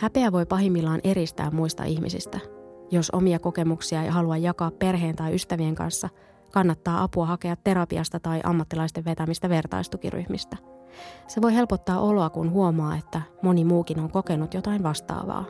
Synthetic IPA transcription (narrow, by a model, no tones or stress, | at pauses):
hæpe̞æʋo̞jpɑɦimːilːɑːnʔe̞ɾist̪æ̰ːmmuist̪ɑ̰ʔihmḭsḭst̪æjo̞so̞̰miɑko̞ke̞muksiɑe̞̰jɦɑluɑjːɑkɑːppe̞rɦe̞ːnt̪ɑjʔyst̪æʋieŋkɑ̰nsːɑ | kɑnːɑt̪ːɑːʔɑpuɑhɑkeɑt̪ːe̞ɾɑpiɑst̪ɑt̪ɑjʔɑ̰mːɑt̪ːilɑist̪eʋʋe̞t̪æmist̪æʋe̞rt̪ɑ̰ist̪ukḭry̰hmist̪æse̞ʋo̞jhe̞lpot̪ːɑːʔo̞loɑkunɦuomɑːe̞t̪ːæmo̞nimuːkino̞ŋko̞ke̞nut̪jo̞t̪ɑinʋɑst̪ɑ̰ːʋɑ̰ː